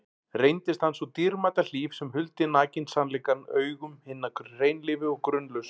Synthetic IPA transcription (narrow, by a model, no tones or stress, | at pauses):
rejnt̪ɪst̪hansɔt̪iɾmat̪al̥iːfsɛmhʏlt̪ɪnaːcɪnsanlɛːkanœːɥɣʏmhɪnːakrejnlɪːvɪɔɣkɾʏnlʏs